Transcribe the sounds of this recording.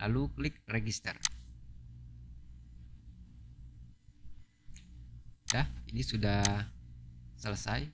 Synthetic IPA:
laluklɪk̚reɡist̪ə̰r | dahinisuda | sələsaj

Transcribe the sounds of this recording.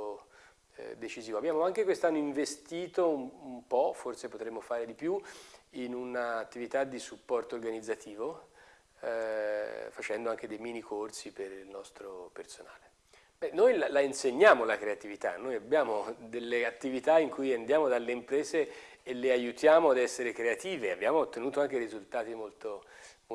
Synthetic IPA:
o̰ | d̪et͡ʃiziːvoabjaːmoaŋkekwest̪anːoiɱvest̪iːt̪oumumpɔforsepot̪ɾemːofaːɾed̪ipjuinunaːt̪ːivit̪ad̪ːisupːɔrt̪oːrɡanid̪zːat̪ʰiːvo | fat͡ʃɛnd̪oaŋk̟ed̪ejmiːnikʰorsipeɾilnɔst̪ɾopersona̰ːle | b̥ɛnojlalainseɲːaːmolakɾeat̪ivit̪a̰nːojabːjaːmod̪elːeat̪ːivit̪aiŋkujand̪jaːmod̪alːeimpɾɛːzeː | lːeajut̪jaːmoad̪ɛsːeɾekɾeat̪iːvea̰bːjaːmoːt̪ːenuːt̪oaŋk̟eɾizult̪aːt̪imolt̪omo

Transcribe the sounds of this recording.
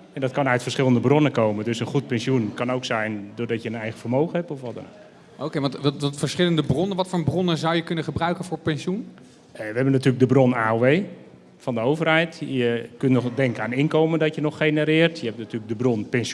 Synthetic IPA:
ɛndɔtkɑnœɥtfərsχɪləndəbronəkoːməndøsənχut̚pɛnsjunkɑnowksɛjndʊrdɔtjəənɛjɣəfərmowxəhɛpɔfʋɔtdə̰no̰wk | ʔokeʋɑnttfəsχɪləndəbrɔnənʋɔtfoːɹbrɔnəzawjəkɵnəχəbrœɥkəfʊːɹpɛnsjun | əʋəɛbənːatyːlək̚dəbronaːoʋej | fɔndəowvərhɛjtjəkøntnɔχdɛŋkəaːnɪnkowməndɔtjənɔχenəɾɪːrtʰjəɛp̚natyːlək̚dəbronpɛns

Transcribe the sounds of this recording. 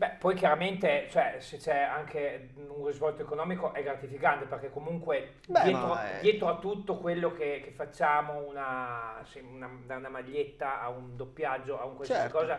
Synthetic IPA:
bɛpːɔjkjaɾament̪et͡ʃoɛset͡ʃɛaŋkʰe | unrizvɔlt̪oekonɔːmikoʔɛɡɾat̪ifikant̪eperk̟ekːomuŋkwe | d̪jɛːt̪ɾod̪jɛːt̪ɾoat̪ːut̪ːokwelːokek̟efːat͡ʃːaːmounasiunad̪aunamaʎːet̪ːaaund̪opːjad͡ʒːoauŋkwalsasikɔːza

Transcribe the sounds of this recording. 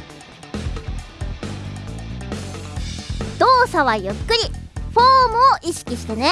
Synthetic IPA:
d̪̥o̞ːsaβaioɸɯ̥kɯ̟ɾʲiɸoːmɯ̟oʔiɕi̥kʲiɕi̥t̪e̞ne̞

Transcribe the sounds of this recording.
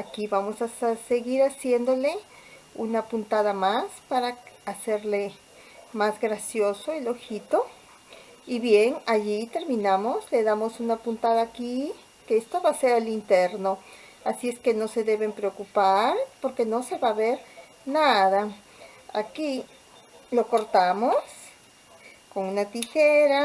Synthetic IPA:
akiβamosasseɣiɾasjend̪ole | unapunt̪aðamaspaɾaaseɾle | mazɡɾasjosoiloxit̪o | iβjenaʝit̪eɾminamosleðamosunapunt̪aðaːki | keest̪oβaseɾalint̪eɾno | asieskenoseðeβempɾeokupaɾpoɾkenoseβaβeɾ | naða | aki | lokoɾt̪amos | konunat̪ixeɾa

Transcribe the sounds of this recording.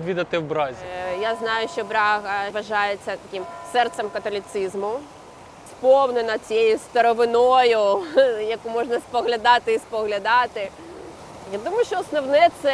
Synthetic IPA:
d̪ʋʲid̪ɐt̪ɪwbɾɑzʲjaznɑjʊʃt͡ʃɔbɾɑɦɐʋɐʒɑjet͡sʲːɐt̪ɐkʲimsɛrt̪sɛmkɐt̪ɔlʲit̪sizmʊ | spɔwnenɐt͡sʲijejʊst̪ɐɾɔʋɪnɔjʊjɐkumɔʒnɐspɔɦlʲɐd̪ɑt̪ɪispɔɦlʲɐd̪ɑt̪ɪ | jad̪umʊjʊʃʲt͡ʃɔɔsnɔwnɛt̪sɛ

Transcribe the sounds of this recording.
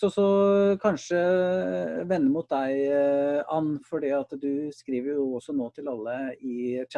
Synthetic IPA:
ɔsɔkʰɑnʂə | ʋɛnːəmʊt̪̚d̪æɪʔɑnːfɔɖiːɑt̪d̪ʉskɾiːʋəɾjʊɔsɔnoːt̪ʰɪlɑlːəɪ

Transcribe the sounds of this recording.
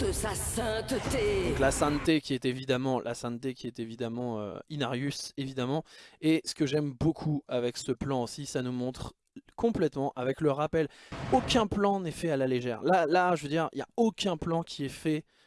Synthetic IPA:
d̪əsasɛ̃t̪t̪ed̪ɔ̃klasɛ̃nt̪ekʲiɛt̪evid̪amɑ̃lʔa̰sɛ̃nt̪ekʲiɛt̪evid̪amɑ̃ø̰inaʁjysevid̪amɑ̃esə̥kəʒɛmbokʰuavɛksəplɑ̃osisanumɔ̃t̪χ | kɔ̃plɛt̪mɑ̃ʔavɛkləʁapɛlokʲɛ̃plɑ̃nɛfɛalaleʒɛːʁlalaʒəvəd̪iʁḭlja̰okʲɛ̃plɑ̃kʲʰiɛfɛ

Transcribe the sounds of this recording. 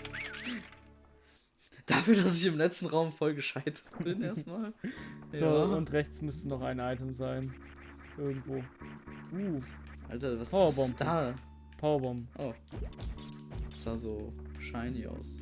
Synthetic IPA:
d̥afyːɐdasɪçɪmlɛt͡stn̩ʁaʊmfɔlɡəʃaɪtʰɐ̥tb̥ɪnʔeːɐstmaːlz̥oːʊntʁɛçt͡smʏstənɔχaɪnʔaɪtəmzaɪn | ʔɪɐɡŋ̩tv̥oːʔuːʔa̰ltɐvasʰaʊɐbɔmbda | pʰaʊɐbɔmbm̩ʔoː | sz̥aːzoːʃaɪniça̰ʊs

